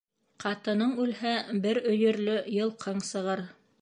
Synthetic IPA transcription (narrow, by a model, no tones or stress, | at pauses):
qɑt̪ɤ̆nɤɴʉlhæbɘɾɵ̆jɵ̆ɾlɵjɤ̆lˠqʰɤɴsɤ̆ʁɤɾ